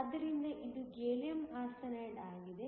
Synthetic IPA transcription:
ɐd̪ːɐɾind̪ɐʔid̪uɡeːljɐmaːsɐnɐːɖaːɡid̪e

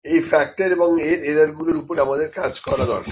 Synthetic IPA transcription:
ejfɛk̚ʈeɾeboŋeɾeɾaɾɡuloɾupoɾeamad̪eɾkad͡ʑkɔɾad̪ɔ̰ɾʃ

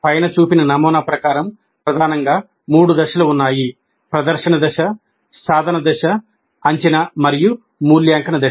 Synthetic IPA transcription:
pɐjnɐt͡ʃuːpinɐnɐmɔːnaːpɾɐkaːɾɐm | pɾɐd̪ʱaːnɐŋɡaː | muːɽud̪ɐʃɐluunːaːji | pɾɐd̪ɐɾʂɐnɐd̪ɐʃɐ | saːd̪ʱɐnɐd̪ɐʃɐː | ɲt͡ʃɐnɐmɐɾiju | muːljaːŋkɐnɐd̪ɐ

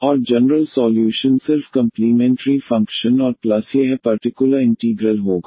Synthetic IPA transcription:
ɔːɾd͡ʒɛnəɾəlsɔːljuːʃənsɪɾfkɐ̃mplimɛ̃ːɳʈəɾifɐ̃ŋkʃənɔːɾplɐsjeɦɛpɐɾʈɪkjʊləɾɪ̃ɳʈiːɡɾəlɦoːɡaː

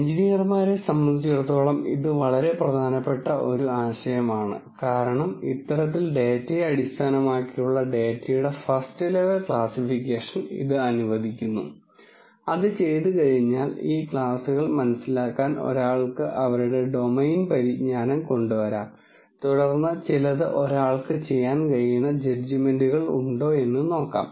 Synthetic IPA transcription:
iɲd͡ʑinijɐrmaːɾesɐmbɐnd̪it͡ɕːert̪ːo̞ːɭɐmḭðɨʋɐɭɐɾe̞prɐd̪ʱaːnɐpːe̞ʈːɐʔo̞ɾuaːɕɐjɐmaːɳɨ̰kaːɾɐɳɐmḭt̪ːɐɾɐt̪̬ːilɖe̞ːtːɐjɐɽist̪ʰaːnɐmaːkːijuɭːɐɖe̞ːtːɐjuɽe̞fɐstɨleʋɐlkɭaːsifikʲːeːʂɐnḭðɨɐnuʋɐd̪ʱikʲːunːṵ | ɐðɨt͡ɕe̞jt̪̬ɨkɐɻiɲːaːliːkɭaːsuɣɐɭmɐnɐsːilaːkːaːno̰ɾaːɭkɨʔɐʋɐɾuɽe̞ɖo̞mejnpɐɾiɲaːnɐmko̞ɳɖuʋɐɾaːm | t̪uɽɐrnːɐt͡ɕilɐðɨʔo̞ɾaːɭkɨt͡ɕe̞jːaːnkɐɻijunːɐd͡ʑed͡ʑimenduɣɐɭṵɳɖo̞ːe̞nːɨno̞ːkːa̰ːm

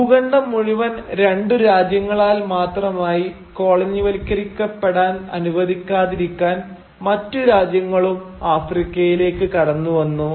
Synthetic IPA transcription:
juɣɐɳɖɐmːuɻiʋɐnɾe̞ɳɖɨɾaːd͡ʑjɐŋːɐɭaːlmaːt̪rɐmaːji | ko̞ːɭɐɲːiʋɐlikʲːɐɾikʲːɐpːeɽaːnɐ̰nuʋɐðikʲːaːðiɾikʲːaːn | mɐtːuɾaːd͡ʑjɐŋːɐɭumaːfrikʲːɐjile̞ːkːɨkɐɽɐnːuʋɐnːu

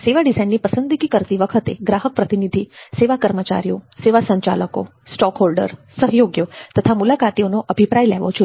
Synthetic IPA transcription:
seʋaɖisainːipəsənd̪iɡikəɾt̪iʋəkʰət̪eɡɾaɦək̚pɾət̪inid̪ʱiseʋakəɾmət͡ʃa̰ɾijoseʋasəɲt͡ʃa̰ləko̰ | sʈɔkɦolɖə̰ɾsəɦjoɡjot̪ət̪ʰamulakat̪ionoʔəbʱipɾajlɛɦʋo̰t͡ʃʰ

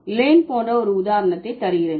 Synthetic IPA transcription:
leːnpoːɳrɐɔɾɯʊðaːɾɐnɐt̪ːɐɪt̪ːɐɾɪjɪɾen

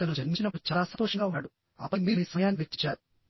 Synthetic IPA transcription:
t̪ɐnud͡ʒɐɾit͡ʃinɐpːut͡ʃaːlaːsɐnt̪ɔːʂɐŋɡaːunːaːɽu | ɐ̰pːɐmiːmiːsɐɐjaːnːiʋet͡ʃːit͡ʃːaːɾu

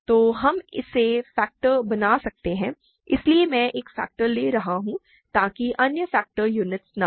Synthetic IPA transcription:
t̪oːɦɐmɪ̰sːefɛːk̚ʈəɾbɐnaːsɐk̚t̪eɦɛ̃ː | ɪsliemɛ̃ːʔeːkfɛ̰ːk̚ʈəɾleːɾɐɦaɦũ | t̪aːkiʔɐnjəfɛːk̚ʈəɾjuːnɪʈsnɐ

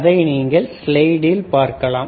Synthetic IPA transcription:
ðɐɪniːŋɡɐɭslɐɪɽɪlpaːɾkɐlaː

